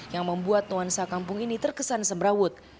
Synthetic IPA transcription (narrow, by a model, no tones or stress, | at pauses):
jaŋməmbuat̪ːuansakampʊŋinit̪ərkəsansəmɾawʊt̪̚